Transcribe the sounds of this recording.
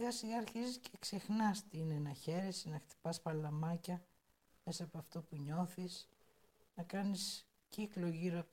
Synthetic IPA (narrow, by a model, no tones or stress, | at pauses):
ɣɐsiɣɐːɾçiziscʰekse̞xnɐst̪iinenɐçe̞ɾesinɐxt̪i̥pɐspɐlɐmɐcɐ | me̞sɐːpoɐft̪o̞puɲo̞θis | nɐkɐnis | ciklo̞ʝiɾo